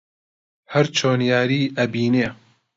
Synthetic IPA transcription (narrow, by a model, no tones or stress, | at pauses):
hɐɾt͡ʃʰoːnjaːɾiːʔɐbiːneː